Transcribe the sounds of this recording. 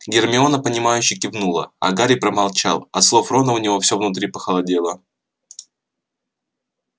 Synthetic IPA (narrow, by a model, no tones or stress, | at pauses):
ɡʲɪrmʲɪonəpənʲɪmajʉɕːɪkʲɪvnulˠə̰ɐ̰ɡaɾʲɪpɾəmalˠt͡ɕa̰lˠɐt̪slˠo̞fɾo̞nəʊnʲɪvo̞fsʲovnʊt̪ɾʲipəxəlˠɐdʲe̞lˠə